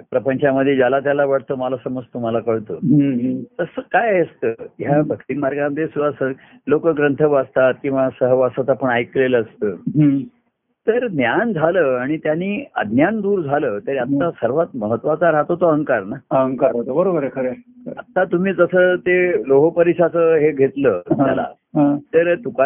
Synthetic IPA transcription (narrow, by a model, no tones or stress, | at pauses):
pɾəpəɲt͡ɕaməd̪ʱːjed͡ʑalat̪̬jalaʋaɽt̪əmalasəməd͡zt̪um̤alakəɭt̪oːɦt̪əsəkajest̪əːɦjabʱəkt̪iŋmaɾɡaməd̪ʱjesuʋasə | lokəɡɾənt̪ʰəʋast̪at̪̚kĩw̃ʋasəɦəʋasat̪apəɳajkleləːst̪əːɦ | t̪əɾnjand͡zʱaləːaɽ̃it̪janiːə̰d̪ʱnjand̪uːɾd͡zʱaləːt̪əɾat̪ːasəɾʋat̪̚məɦət̪ːʋat͡saɾat̪ot̪oɦəŋkaɾnaəŋkaɾɦot̪əbəɾobəɾekʰəɾeət̪ːat̪um̤iːd͡zəsət̪eloɦəpəɾiɕat͡səɦeɡʱet̪ləːt̪ja̰la̰ | ɦãt̪əɾt̪uka